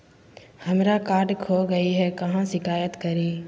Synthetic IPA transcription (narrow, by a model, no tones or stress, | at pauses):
hɐmɾakaːɾɖkʰoːɡɐiɦɛkɐɦãʃɪkaːjət̪kɐɾiː